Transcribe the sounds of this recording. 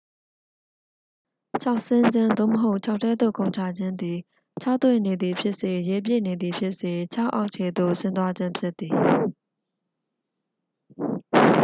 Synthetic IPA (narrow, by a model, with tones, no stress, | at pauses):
t͡ɕʰa˦ʊʔsɪ̃˦nd͡ʑɪ̃˦nd̪o̰˦˨məɦo˦ʊʔt͡ɕʰa˦˨ʊtʰːɛ˦d̪o̰˦˨kõ˨ʊ̃ɲt͡ɕʰa˨d͡ʑɪ̃˦nd̪i˨ | t͡ɕʰa˦˨t̪wḛ˦˨ne˨d̪ði˨pʰjɪ˦ʔse˨jɛ˨p̬jḛ˦˨ne˨d̪ði˨pʰjɪ˦ʔse˨t͡ɕʰa˦ʔa˦ʊʔt͡ɕʰe˨d̪o̰˦˨sɪ̃˦nt̪̬wa˦d͡ʑɪ̃˦mpʰjɪ˦t̪ːi˨